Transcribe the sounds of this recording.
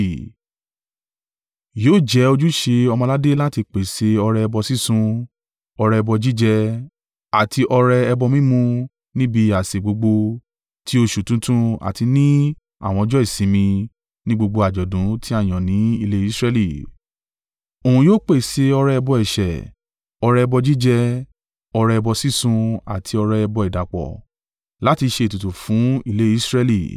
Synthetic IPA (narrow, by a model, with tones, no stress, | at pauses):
joː˦˨d͡ʒɛ˨˦o˧d͡ʒu˦ʃe˧ɔ˧mɔ̃˧la˦de˦la˦ti˧k͡pe˨se˧ɔ˧ɾɛ˧ɛ˧bɔ˧si˦sũ˧ | ɔ˧ɾɛ˧ɛ˧bɔ˧d͡ʒi˦d͡ʒɛ˧ | a˨tʰi˧ʔɔ˧ɾɛ˧ɛ˧bɔ˧mĩ˦mũ˧ | nĩ˦bi˧a˨se˨ɡ͡bo˨˧ɡ͡bo˧ | tʰi˦o˧ʃu˨tũ˨˦tũ˦a̰˨ti˧nĩ˦ | a̰˦˨w̃ɔ̃˧d͡ʒɔ˦i˦˨sĩ˨˦mĩ˧ | nĩ˦ɡ͡bo˧ɡ͡bo˧a˨d͡ʒɔ˨dũ˨˦tʰi˦a˦˨j̃ɔ̃˨nĩ˨˦i˧le˦i˦sɾɛ˦li˦˨ | o˨ũ˨joː˦k͡pe˦˨se˧ɔ˧ɾɛ˦ɛ˧bɔ˧ɛ˨ʃɛ˨ | ɔ˧ɾɛ˧ɛ˧bɔ˧d͡ʒi˦d͡ʒɛ˦ | ɔ˧ɾɛ˧ɛ˧bɔ˧si˦sũ˧a̰˨tʰi˧ɔ˧ɾɛ˧ɛ˧bɔ˧i˨da˨k͡pɔ̰˨ | la˨˦ti˧ʃe˧˨tu˨tu˨fũ˨˦i˧le˦i˦sɾɛ˦li˨